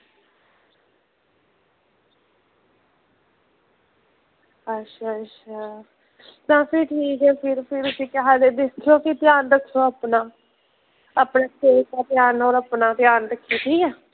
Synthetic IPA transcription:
ətːʃʰaːətːʃʰaː | t̪ãːpʰɪɾʈʰiːkɛːpʰɪɾpʰɪɾʊsĩːkɛɦaːd̪eːd̪ɪst̪ʰoːsiːt̪ɪjaːnɾəkʰːoːapnaː | aːpnãːkeːkaːt̪ɪjaːnoːɾəpnaːt̪jaːnɾəkʰːiːt̪ʰiːkɛː

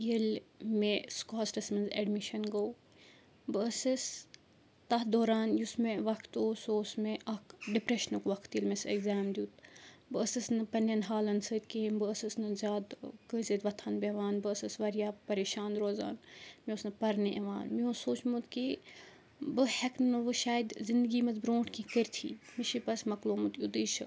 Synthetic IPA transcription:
jilmeskoːsʈɐsmɐnzḛɖmiʃɐnɡow | bɨɐsɨs | t̪ɐɦd̪oːɾaːnjusmeʋɐkʰt̪oːsoːsmeʔɐkɖipɾeʃnukʋɐkʰt̪jilmeseɡzaːmd̪ʲjut̪bɨɐsɨsnɨpɐnɐnɦaːlɐnsɨt̪kembɨɐsɨsnɨzʲaːd̪kɨːsɐd̪ʋɐt̪ʰɐnbʲeʋaːnbɨɐsɐsʋɐɾjaːpɐɾeːʃaːnɾoːza̰ːnmiosnɨpɐɾniʔɐʋa̰ːnmiõːsoːt͡ʃmut̪ki | bɨheknnɨʋɨʃaːjd̪zind̪ɨɡiːmɐzbɾõːʈʰkĩkəɾʲt̪ʰḭːmiʃipɐsmɐkloːmut̪jud̪iːʃɐ

